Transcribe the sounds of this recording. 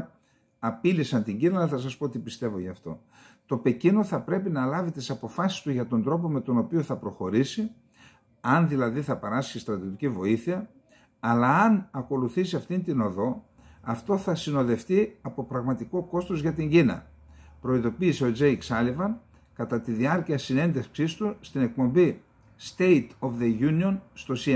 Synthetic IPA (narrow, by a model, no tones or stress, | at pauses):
ɐpilisɐnt̪iɲɟinɐlɐθɐs̬ɐspot̪ipist̪e̞vo̞ʝɐft̪o̞̰ | t̪o̞pe̞cino̞θɐpɾe̞pinɐlɐvit̪isɐpo̞fɐsi̥st̪uʝɐt̪o̞nd̪ɾo̞po̞me̞t̪o̞no̞pio̞θɐpɾo̞xo̞ɾisi | ɐnðilɐðiθɐpɐɾɐsçist̪ɾɐt̪iot̪icivo̞iθiɐ | ɐlɐːnɐko̞luθisiɐft̪int̪ino̞ðo̞ | ɐft̪o̞θɐsino̞ðe̞ft̪iɐpo̞pɾɐɣmɐt̪iko̞ko̞st̪ozʝɐt̪iɲɟinɐ̰ | pɾo̞iðo̞piːseo̞d͡ʒe̞jksɐlivɐn | kɐt̪ɐt̪iðiɐɾciɐsine̞nd̪eksist̪ust̪ine̞k̚po̞mbi | st̪e̞jt̪ofðeʝunio̞nst̪o̞si